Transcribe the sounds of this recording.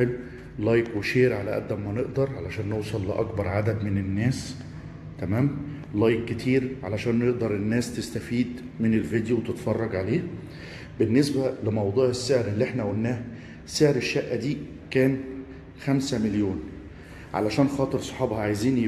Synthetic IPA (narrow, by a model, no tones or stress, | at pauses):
el | lɑjkweʃeːɾʕalæʔæ̰d̪ːæmːæneʔd̪ɑɾˤʕalæʃæːnːowsˤɑlːɪʔɑ̰kbɑɾˤʕad̪æd̪menenːæːs | t̪æmæːm | lɑjkːet̪ʰiːɾʕalæʃæːnːeʔd̪ɑɾˤenːæːst̪est̪æfiːd̪ | menelvid̪jowet̪et̪fɑrˤːɑɡʕaleː | benːesbælɪmɑwd̪ˤuːʕesːeʕɾelːiʔeħnæwolːæːh | seʕɾeʃːæʔːæd̪iː | kæːn | xæmsæmeljoːn | ʕa̰læʃæːnxɑːt̪ˤeɾsˤɑ̥ħɑːbhɑʕajziːn